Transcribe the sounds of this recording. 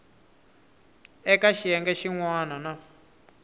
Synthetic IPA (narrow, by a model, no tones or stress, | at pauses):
ɛkaʃijɛŋɡɛʃiŋwanana